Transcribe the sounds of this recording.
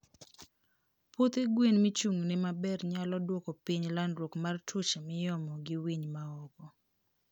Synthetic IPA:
pot̪eɡwenmit͡ʃuŋnɪmabɛrɲalɔdwɔkɔpiɲlandɾokmartʰut͡ʃemɪjɔmɔɡɪwiɲmaɔkɔ

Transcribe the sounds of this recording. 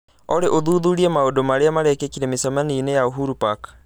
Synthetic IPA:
ɔɾeʔoðuðuɾiɛmaodomaɾeamaɾɛkekiɾemisamaninejaoɦuɾupak

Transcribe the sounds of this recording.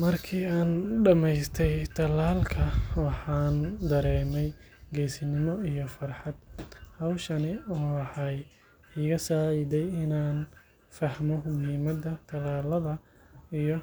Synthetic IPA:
mɐrkʰiːaːnɖɐmɛjst̪ʰɛjt̪ʰɐlaːlkʰɐwɑħɑːnd̪ɐɾɛːmɛj | ɡɛjsɪnɪmɔijɔfɐrħɑd̪hɐwʃɐnɪɔːħɑːj | ɪɣɐsaːid̪ɛjɪnaːn | fɐhmɔmʊhiːmɐd̪ɐt̪ʰɐlaːlɐðɐ | ijɔ

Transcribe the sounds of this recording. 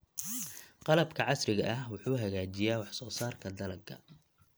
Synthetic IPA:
qɑlɐbkʰɐʕɑsrɪɣɐʔɐhwʊħuːɦɐɣaːt͡ʃɪjaːwɑħsɔːsaːrkʰɐd̪ɐlɐɡkʰɐ̰

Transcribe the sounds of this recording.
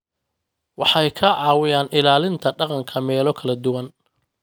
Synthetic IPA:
wɑħɑjkʰɐʕɑːwɪjaːnʔɪlaːlɪnt̪ʰɐɖɑqɑŋkʰɐmɛːlɔkʰɐlɐd̪ʊwɐn

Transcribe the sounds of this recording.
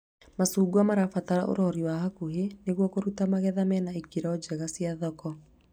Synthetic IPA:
masuːɡwamaɾafataɾa̰ʔo̰ɾɔɾiwaɦakuɦeneɣwɔkoɾutamaɣɛðamɛnaekiɾɔd͡ʑɛɣasiaðɔkɔ

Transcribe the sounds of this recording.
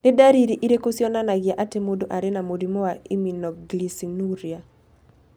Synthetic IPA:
nɛdaɾiɾiʔiɾekosjɔnanaɡɪjaʔatemodoʔaɾenamodimɔwaiminɔɡlisinuɾja

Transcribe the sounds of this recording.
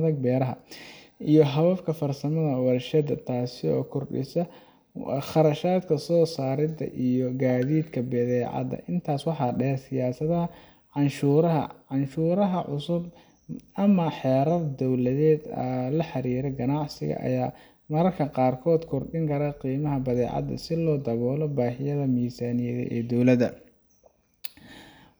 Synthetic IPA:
ðɐɡ̚bɛːɾɐɦɐ | ijɔɦɐβɐfkʰɐfɐrsɐmɐðɐwɐrʃɐd̪ɐt̪ʰaːsɪɔ̰ːkʰɔrɗɪ̰sɐ | χɑɾɐʃaːd̪kʰɐsɔːsaːɾɪd̪ɐ̰ʔijɔɡaːðiːd̪kʰɐbɛðɛːʕɑ̰d̪ɐ̰ʔɪnt̪ʰaːswɑħɑːɖɛːrsɪjaːsɐðɐhɐ | ʕɑnʃuːɾɐɦɐ̰ʕɑnʃuːɾɐɦɐʕʊsʊb̚ | ɐmɐħɛːɾɐðd̪ɔwlɐðɛːd̪ɐlɐħɑɾiːɾɛɡɐnɑʕsɪ̰ɣɐ̰ʔɐ̰jaː | mɐɾɐrkʰɐqɑːrkʰɔːd̪kʰɔrɗɪŋkʰɐɾaqiːmɐɦɐbɐðɛːʕɑ̰d̪ɐ̰sɪlɔːd̪ɐβɔːlɔbaːhɪjɐðɐmiːsaːnɪjɛðɛ̰ʔɛːd̪ɔwlɐðɐ

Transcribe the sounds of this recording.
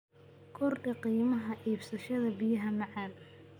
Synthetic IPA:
kʰɔrʔɪqiːmɐɦɐʔiːbsɐʃɐðɐbɪjɐɦɐmɑʕɑːl

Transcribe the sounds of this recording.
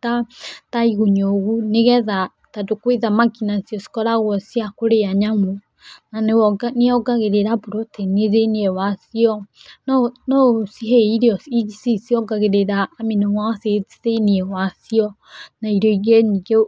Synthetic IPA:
tataiɣoɲoɣuneɣɛða | tadokweðamaɡinasiɔsi̥kɔɾaɣwɔsiakoɾeaɲamo | nanneɔɡaɣeɾeɾaboɾotʰɛneɾeniɛwasiɔ | nɔsiɦeiɾiɔiisisiɔɡaɣeɾeɾaːminewased͡ziðeiniɛwasiɔ | naiɾɔiɣeɲiɡe

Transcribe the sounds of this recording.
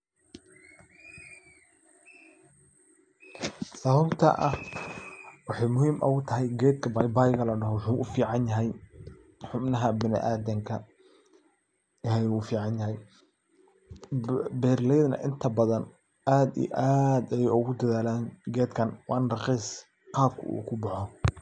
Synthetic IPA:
sɐːβɐbt̪ʰɐ̰ʔɐh | wɑħɑjmʊhiːmʔɐ̰ʊt̪ʰɐɦɛjɡɛːd̪̚kʰɐbɑjbajɣɐlɐɖɐɦɔwħuʔʊfiːʕɑnjɐɦɛj | ħʊbnɐɦɐbɪnɪ̰ʔaːd̪ɛŋkʰɐ | ɦɛjuːfiːʕɑnjɐɦɛj | bɛːrlɛjðnɐ̰ʔɪnt̪ʰɐbɐðɐn | ʔaːd̪ḭjʔaːd̪ɛjɛjʊɣʊd̪ɐðaːlaːnɡɛːd̪kʰɐnwɑ̰ːnrɑqiːs | qɑːb̚kʰʊ̰ṵːkʰʊbɑħɔ

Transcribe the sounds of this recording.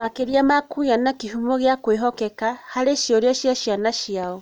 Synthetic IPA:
makeɾjamakujanakihumoɣjakweɦɔkekahaleʃioɾjɔʃjaʃjanaʃjao

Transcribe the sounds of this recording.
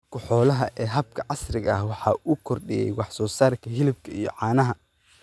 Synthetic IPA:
kʰʊħɔːlɐɦɐʔɛːɦɐb̚kʰɐʕɑsrɪɣɐɐhwɑħɑːʔuːkʰɔrɖɪjɛ̰jwɑħsɔːsaːrkʰɐɦɪlɪb̚kʰɐijɞ̰ʕɑːnɐɦɐ

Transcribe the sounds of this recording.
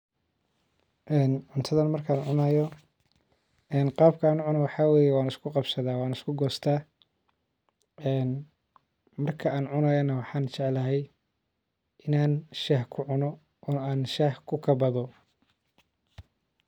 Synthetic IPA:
ʔɛːnʕʊnt̪ʰɐðɐnmɐrkʰaːnʕʊnɐjɔ | ɛːnqɑːb̚kʰɐaːnʊʕʊnɔwɑħɑːwɛːjɛwɑːnɪskʰʊqɑbsɐðaːwɑːnɪskʰʊɡɔːst̪ʰaː | ɛːn | mɐrkʰɐʔaːnʕʊnɐjɔnɐwɑħɑːnt͡ʃɛʕlɐɦɛj | ʔɪnaːnʃɐhkʰʊʕʊnɔ | ʔaːnʃɐhkʰʊkʰɐbɐðɔ

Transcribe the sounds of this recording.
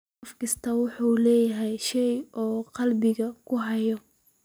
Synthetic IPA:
fkʰɐst̪ʰɐwʊħuːlɛːjɐɦɛjʃɛjʔɔːqɑlbɪɣɐkʰʊɦɐjɔ

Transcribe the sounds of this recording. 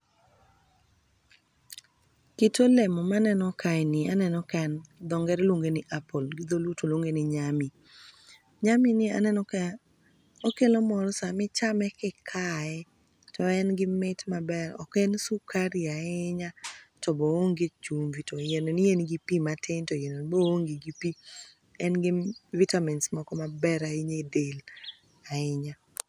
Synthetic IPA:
kɪtolemɔmanɛnɔkajnɪanɛnɔkɛnd̪ɔŋɡɛɾlwoŋɡenɪʔapolɡɪd̪olutolwoŋɡenɪɲamɪ | ɲamɪnɪa̰nɛn | okelomɔɾɔsamɪt͡ʃamɛkɪkʰaɛ | tɔɛnɡɪmɪtmabɛɾɔ̰kɛnsukʰaɾiaɪɲatɔbɔwoŋɡet͡ʃumvitojenonɪjenɡipimatʰeɲtɔjenonbooŋɡɪɡipi | ɛnɡɪvitamɛnsmɔkɔmabɛɾaɪɲedel | aɪɲa

